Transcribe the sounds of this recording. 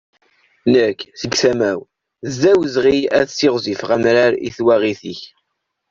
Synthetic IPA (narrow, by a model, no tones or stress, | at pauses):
nəkːθəɡθæmæw | zːæwəzʁiæ̰ðsɪʁzifʁamɾaɾḭθwæʁiθiç